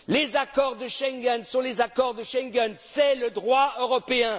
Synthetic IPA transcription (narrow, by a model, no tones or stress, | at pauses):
lezakɔʁd̪əʃɛ̃ŋɡɛnsɔ̃lezakɔʁd̪əʃɛ̃ŋɡɛnsɛləd̪ʁwaøʁɔpeɛ̃